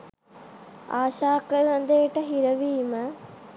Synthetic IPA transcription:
aːʃaːkəɾɐnd̪eːʈəɦiɾəʋiːmə

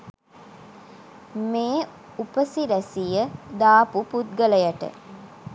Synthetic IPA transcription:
meː | upəsiɾæsijəd̪aːpuput̪̚ɡələjaʈə̰

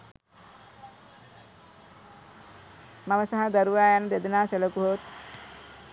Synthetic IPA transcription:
mamɐsaɦɐd̪ɐɾuʋajanɐd̪ed̪ɐnaːselokuɦoːt̪

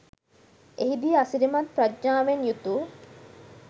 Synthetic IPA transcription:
eɦid̪ieasiɾimɐt̪pɾad͡ʒɲaːʋenjut̪uː

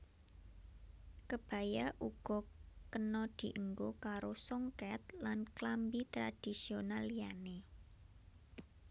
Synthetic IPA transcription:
kəb̥ä̤jaʔuɡ̥ɔ̤kənɔd̪̥i̤ʔəŋɡokaɾosɔŋkɛt̪̚lanklambit̪ɾad̥i̤sionalijane

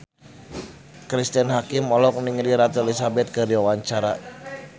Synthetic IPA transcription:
kɾist̪ənɦakɪmɔlɔk̚niŋliɾat̪ɛlisabɛt̪̚kəɾiwawaɲt͡ʃaɾa

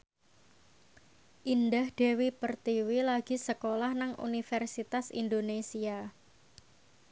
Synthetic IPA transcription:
ʔindahd̥e̤wipərt̪iwilaɡ̥i̤səkolahnaŋṵnifɛrsit̪asḭndonesia

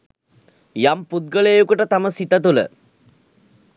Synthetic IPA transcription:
jamput̪̚ɡəlejukuʈət̪aməsit̪ət̪ulə̰

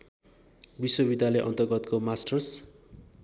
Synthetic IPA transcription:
biswʌbid̪ʱjalʌjʔʌ̰nt̪ʌrɡʌt̪komasʈʌrs

